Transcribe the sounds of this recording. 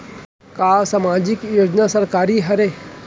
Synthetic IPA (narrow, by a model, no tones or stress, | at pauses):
kaːsaːmaːd͡ʒikjoːd͡ʒnasɐɾkaːɾiɦɐɾe